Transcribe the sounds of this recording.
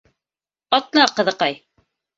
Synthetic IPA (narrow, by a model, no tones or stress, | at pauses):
ɑt̪nɑqɤ̆ðɤ̆qɑj